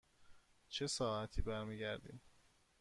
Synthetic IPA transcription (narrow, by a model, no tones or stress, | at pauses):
t͡ʃʰe̞sɒːæt̪ʰiːbæɾmiːɟæɾd̪ḭːm